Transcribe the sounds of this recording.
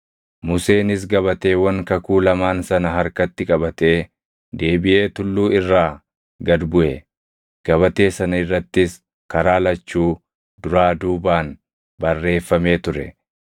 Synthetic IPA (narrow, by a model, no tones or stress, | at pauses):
mʊse̞ːnɪs̬ɡɐβɐt̪e̞ːwɐŋkɐkuːlɐmaːnsɐnɐɦɐɾkɐt̪ːɪkʼɐbɐt̪e̞ː | d̪e̞ːbɪʔe̞ːt̪ʊlːuːɪrːaː | ɡɐd̪bʊʔɛ | ɡ̥ɐβɐt̪e̞ːsɐnɐɪrːɐt̪ːɪs | kɐɾaːlɐt͡ʃːuː | d̪ʊɾaːd̪uːbaːn | bɐrːe̞ːfːɐme̞ːt̪ʊɾɛ